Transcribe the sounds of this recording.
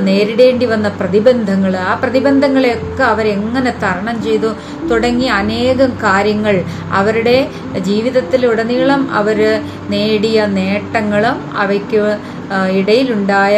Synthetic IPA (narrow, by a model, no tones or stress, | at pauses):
ne̞ːɾiɽe̞ːɳɖiʋɐnːɐprɐðibɐnd̪ʱɐŋːɐɭaːprɐðibɐnd̪ʱɐŋːɐɭjokːeɐʋɐɾe̞ŋːɐne̞t̪ɐɾɐɳɐmt͡ɕe̞jt̪u | t̪uɽɐŋːiɐne̞ːɣɐmkaːɾjɐŋːɐɭ | ɐ̰ʋɐɾuɽe̞ | d͡ʑiːʋiðɐt̪ːiluɽɐniːɭɐmɐ̰ʋɐɾ | ne̞ːɽijɐne̞ːʈːɐŋːɐɭum | ɐ̰ʋɐkʲːɨ | iɽɐjiluɳɖaːj